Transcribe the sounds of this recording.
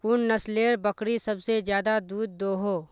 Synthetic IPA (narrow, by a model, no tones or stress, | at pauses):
kunnɐsleːɾbɐkɽisɐbsezjaːd̪ad̪uːd̪ːoːɦoː